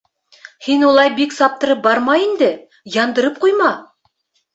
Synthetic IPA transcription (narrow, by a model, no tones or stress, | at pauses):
hinwolˠɑjbiksɑp̚t̪ə̆ɾɤp̚bɑɾmɑind̪ɪ | jɑnd̪ə̆ɾɤp̚qujmɑ